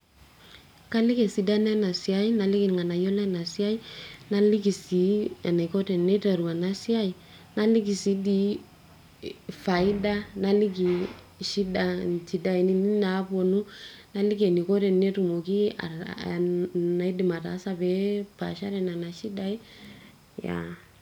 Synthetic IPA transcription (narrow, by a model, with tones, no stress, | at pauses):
ka˦li˦ke˨si˨da˦na˦na˨si˨a˦i˦na˨li˦ki˦n˨ŋa˨na˨jɔ˦la˦na˨si˦a˦i˦na˦li˦ɡi˨si˨˦a˨na˨ko˦tɛ˨ne˦ta˨ɾu˨a˨na˦si˦a˦i˨ | na˦li˦ɡi˨si˨˦di˦ | fa˨i˦da˦na˦li˦ki˨ | ʃi˦da˨nt͡ʃi˨da˨i˨ni˦ni˦na˨˦po˨nu˦na˦li˦ke˨ni˨ko˦ɾɛ˨nːe˦tu˨mo˨ki˦a̰˨ | na˨i˦di˨ma˨ta̰˨˦sa˦bɛ˦pa̰˨ʃa˦ɾɛ˨na˨na˨ʃi˦da˦i˦ | ja̰˨